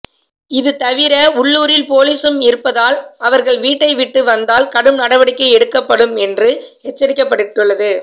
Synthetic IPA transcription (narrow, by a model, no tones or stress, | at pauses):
ɪðɯt̪ɐʋɪɾɐʊɭːuːɾɪlpoːliːsɯmɪɾɯpːɐðaːlɐʋɐɾɣɐɭʋiːʈːɐɪʋɪʈːɯʋɐnd̪aːlkɐɽɯmnɐɽɐʋɐɽɪkːɐɪɛɽɯkːɐpːɐɽɯmɛndrɯɛt͡ʃːɐɾɪkːɐpːɐɽɯʈːɯɭːɐðɯ